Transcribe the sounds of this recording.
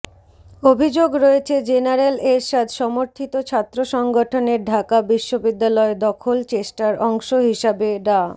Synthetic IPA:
obʱid͡ʑoɡɾɔet͡ɕʰed͡ʑenaɾeleɾʃad̪ʱʃɔmoɾt̪ʰit̪ot͡ɕʰat̪ːɾoʃɔŋɡoʈʰoneɾɖʱakabiʃːobid̪ːalɔed̪ɔkʰolt͡ɕesʈaɾɔŋʃoɦiʃabeɖa

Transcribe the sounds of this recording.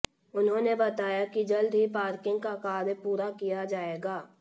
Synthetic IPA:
ʊnɦõːnebɐt̪aːjakid͡ʒɐld̪ʱɦipaːɾkɪ̃ŋɡ̚kakaːɾpuːɾakijad͡ʒaːeːɡaː

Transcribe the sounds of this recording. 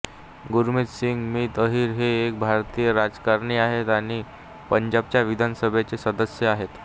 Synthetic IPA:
ɡuɾmit̪siŋɡmiːt̪əɦiːɾɦeːk̚bʱaɾt̪iːjəɾad͡zkaɾɳiaɦet̪aɽ̃i | pəɲd͡ʑab̚t͡ɕjaʋid̪ʱansəbʱet͡sesəd̪əsjəaɦet̪

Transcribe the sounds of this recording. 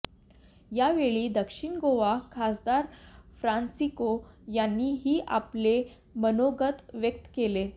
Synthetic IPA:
jaʋeɭiːd̪əkʂiɳɡoʋakʰasd̪aɾfɾansikojanːiːɦiːʔa̰ple | mənoɡət̪ʋjək̚t̪kele

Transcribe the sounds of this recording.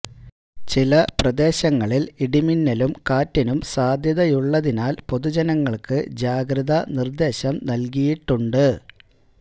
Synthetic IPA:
t͡ɕilɐprɐd̪e̞ːɕɐŋːɐɭiliɽiminːɐlumkaːtːɐnumsaːd̪ʱjɐðɐjuɭːɐðinaːlpo̞ðud͡ʑɐnɐŋːɐɭkɨd͡ʑaːɡɾɐðɐnird̪e̞ːɕɐmnɐlkijiʈːuɳɖɨ

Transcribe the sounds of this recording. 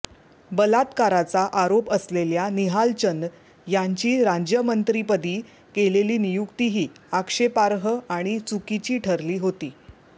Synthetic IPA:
bəlat̪kaɾat͡saʔaɾopəsleljaniɦalt͡ɕən | jaɲt͡ɕiːɾad͡ʑjəmənt̪ɾipəd̪iː | keleliːnijukt̪iɦiː | akʂepaɾɦəaɽ̃it͡sukit͡ɕiːʈʰəɾliːɦot̪iː

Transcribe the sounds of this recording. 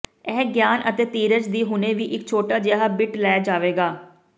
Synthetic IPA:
ɛːɡjaːnʔət̪eːt̪iːɾəd͡ʒd̪iːɦʊneːʋiːʔɪkt͡ʃʰoːʈaːd͡ʒeɦaːbɪʈlɛːd͡ʒaːʋeːɡaː

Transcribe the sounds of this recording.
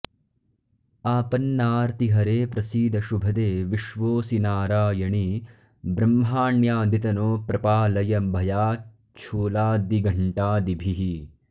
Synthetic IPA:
aːpɐnːaːɾt̪iɦɐɾeːpɾɐsiːd̪ʱɐʃubʱɐd̪eːʋiʃʋoːsinaːɾaːjɐɳi | bɾɐmɦaːɳjaːd̪it̪ɐnoːpɾɐpaːlɐjɐbʱɐjaː | t͡ʃʰuːlaːd̪iɡɐɳʈaːd̪ibʱiɦi

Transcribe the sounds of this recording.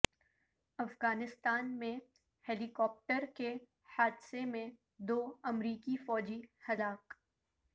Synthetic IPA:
ɐfɣaːnɪst̪aːnmẽ | hɛːlikɔːp̚ʈəɾke | haːd̪semẽ | d̪oːɐmɾiːkifɔːd͡ʒihɐlaːk

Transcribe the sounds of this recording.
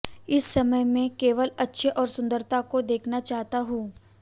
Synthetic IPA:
ɪsːɐməjmẽkeːʋəlɐtːʃʰeʔɔːɾsʊ̃nd̪əɾt̪akod̪eːkʰnat͡ʃaːɦt̪aɦũː

